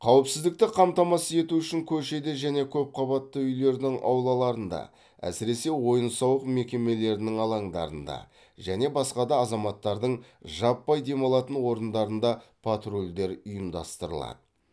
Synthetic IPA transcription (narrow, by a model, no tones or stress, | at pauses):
qʰɑwəpsɪzd̪ɪk̚t̪ɪqʰɑmt̪ɑmɑsəe̞t̪uʏʃɪŋkʲʰɵɾʃe̞d̪e̞ʒæne̞kʲʰɵp̚qʰɑβɑt̪ːəʏjle̞ɾd̪ɪŋʔɑ̰wlˠɑlˠɑɾənd̪ɑ̰ | æ̰sɪɾe̞se̞wo̞jənsɑwəqme̞kʲe̞me̞le̞ɾɪnɪŋɑlˠɑɴd̪ɑ̰ɾənd̪ɑ̰ | ʒæne̞bɑsqɑd̪ɑːzɑmɑt̪ːɑɾd̪əɴ | ʒɑpːɑjd̪e̞mɑlˠɑt̪ənwo̞ɾənd̪ɑɾənd̪ɑpʰat̪rolʲd̪e̞ɾʊjəmd̪ɑ̰st̪əɾə̰lˠɑ̰d̪ə